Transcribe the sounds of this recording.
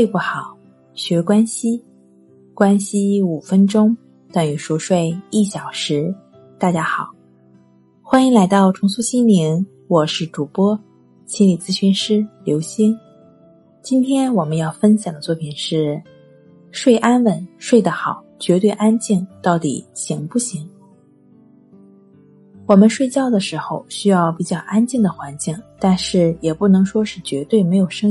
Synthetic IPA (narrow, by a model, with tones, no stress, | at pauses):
e˥˧ɪpu˥˩xɑ˨˩˦ʊ | ɕɥɛ˧˥kwa˥nɕi˥ | kwa˥nɕi˥u˨˩fə˥nʈ͡ʂʊ˥ŋ | t̪a˥˩ŋy˨˩ʂwɔ˥ʂwe˥˧ɪi˥˩ɕjɑ˨˩ʊʂɻ̩˧˥ | t̪a˥˩t͡ɕja˥xɑ˨˩˦ʊ | xwa˥ni˧˥ŋla˧˥ɪt̪ɑ˥˩ʊʈ͡ʂʰʊ˧˥ŋsu˥ɕi˥nli˧˥n | wɔ˨˩ʂɻ̩˥˩ʈ͡ʂu˨˩pwɔ˥ | ɕi˥nli˨˩t͡sɹ̩˥ɕy˧˥nʂɻ̩˥ljo˧˥ʊɕi˥n | t͡ɕi˥nt̪ʰjɛ˥nwɔ˨˩mə˦njɑ˥˩ʊfə˥nɕjɑ˨˩ŋd̪ə˦t͡swɔ˥˩pʰi˨˩nʂɻ̩˥˩ | ʂwe˥˩ɪʔa˥nwə˧˥nʂwe˥˩ɪd̪ə˩xɑ˨˩˦ʊt͡ɕɥɛ˧˥t̪we˥˧ɪʔa˥nt͡ɕi˥˩ŋt̪ɑ˥˩ʊt̪ḭ˨˩ɕi˧˥ŋpu˥˩ɕi˧˥ŋ | wɔ˨˩mə˦nʂwe˥˧ɪt͡ɕjɑ˥˩ʊd̪ə˩ʂɻ̩˧˥xo˥˧ʊɕy˥jɑ˥˩ʊpi˨˩t͡ɕjɑ˥˩ʊʔa˥nt͡ɕi˥˩ŋd̪ə˩xwa˧˥nt͡ɕi˥˩ŋt̪a˥˧nʂɻ̩˥˩jɛ˨˩pu˥˩nɤ˧˥ŋʂwɔ˥ʂɻ̩˥˩t͡ɕɥɛ˧˥t̪we˥˩ɪme˧˥ɪjo˨˩ʊʂɤ˥ŋ